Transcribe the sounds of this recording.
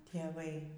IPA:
tʲeːˈʋɐɪ

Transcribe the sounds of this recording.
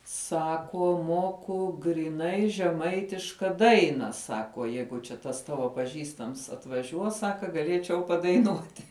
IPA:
ˈsɑːkuɔ ˈmuɔkʊ ɡrʲiːˈnɐɪ ʒʲɛˈmɐɪtʲɪʃkɐ ˈdɐɪnɐ ˈsɑːkuɔ ˈjɛɪɡʊ t͡ʃʲɛ ˈtɐs ˈtɑːʋoː pɐˈʒʲiːstɐms ɐtʋɐˈʒʲuɔs ˈsɑːkɐ ɡɐˈlʲeːt͡ʃʲɛʊ pɐdɐɪˈnuɔtʲɪ

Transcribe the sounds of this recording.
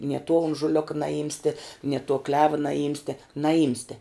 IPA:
nʲiɛ tuɔ ʊnʒʊˈlʲoːkɐ nɐˈjɪmʲsʲtʲɛ nʲiɛ tuɔ klʲɛʋɐ nɐˈjɪmʲsʲtʲɛ nɐˈjɪmʲsʲtʲɛ

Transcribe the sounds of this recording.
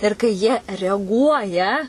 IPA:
ɪr kɐɪ ˈjiɛ rʲɛɐˈɡuɔjɛ

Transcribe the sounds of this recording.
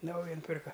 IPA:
ˈnɐʊjɛ nʊˈpʲɪrkɐ

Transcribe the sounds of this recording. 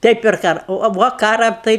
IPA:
ˈtɐɪ pʲɛr ˈkɑːrɐ oː ɐ ˈʋoː ˈkɑːrɐ ˈtɐɪ

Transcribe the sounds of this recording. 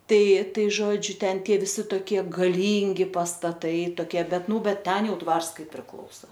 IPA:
ˈtɐɪ ˈtɐɪ ˈʒoːd͡ʒʲʊ ˈtʲɛn ʋʲɪˈsʲɪ toːˈkʲiɛ ɡɐˈlʲiːŋʲɡʲɪ pɐstɐˈtɐɪ toːˈkʲiɛ ˈbʲɛt ˈnuː ˈbʲɛt ˈtʲɛn ˈjɛʊ ˈdʋɐrs ˈkɐɪ pʲrʲɪˈklˠɐʊsɐ

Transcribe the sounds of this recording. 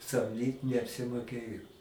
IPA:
sɐmʲˈdʲiːt nʲɛɐpʲsʲɪmoːˈkʲeːjoː

